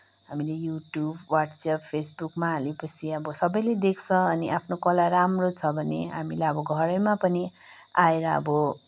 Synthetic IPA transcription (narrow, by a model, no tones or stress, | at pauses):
ɦamilejuʈjubwaʈsappʰesbukmaɦalepʌt͡sʰiʌbʌsʌbʌjled̪ek̚ʰt͡sʰʌʌniʔapʰnokʌlaɾamrot͡sʰʌbʱʌnḛɦamilaʌbʌɡʱʌɾʌmapʌni | aeɾʌʌ̰bʌ